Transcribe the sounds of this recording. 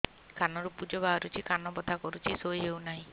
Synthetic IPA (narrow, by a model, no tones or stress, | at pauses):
kanɔɾupud͡ʒɔbaɔɾut͡ʃʰikanɔbɔd̪ʱakɔɾut͡ʃʰisojewnaɦĩ